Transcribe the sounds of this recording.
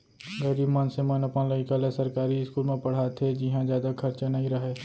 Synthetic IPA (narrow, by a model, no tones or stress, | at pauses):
ɡəɪɾiːbmənsemənɐpnalɐɡikalesɐɾkaːɾiɪskuːlmẽpɐɽ̤aːt̪ʰed͡ʒɪɦãd͡ʒjaːd̪akʰɐɾt͡ʃanɐɦĩɾɐɦeː